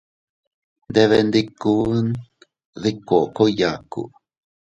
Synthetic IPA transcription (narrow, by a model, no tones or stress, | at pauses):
nd̪eβend̪ikun | ðikːoʔkojakṵʔ